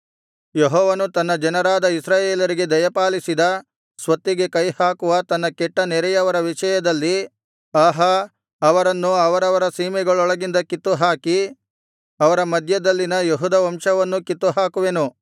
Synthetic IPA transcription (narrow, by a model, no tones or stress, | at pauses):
jeɦɔːʋɐnut̪ɐnːɐd͡ʒɐnɐɾaːd̪ɐisɾaːjeːlɐɾiɡe̞d̪ɐjɐpaːlisid̪ɐ | sʋɐt̪ːiɡe̞kɐjhaːkuʋɐt̪ɐnːɐkɛʈːɐnɛɾɛjɐʋɐɾɐʋiʂɐjɐd̪ɐlːi | aːɦɐ | ɐʋɐɾɐnːuɐʋɐɾɐʋɐɾɐsiːmɛɡɐɭɔɭɐɡind̪ɐkit̪ːuɦaːki | ɐʋɐɾɐmɐd̪ʱjɐd̪ɐlːinɐjeɦud̪ɐʋɐmʂɐʋɐnːukit̪ːuɦaːkuʋe̞nu